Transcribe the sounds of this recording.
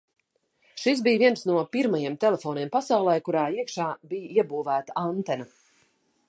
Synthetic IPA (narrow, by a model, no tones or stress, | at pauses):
ʃis̬bijviɛnsnuɔpiɾmajemt̪ɛlˠɛfoːniɛmpasawlˠɛjkuɾaːiɛkʃaːbijiɛbuːvæːt̪aant̪ɛna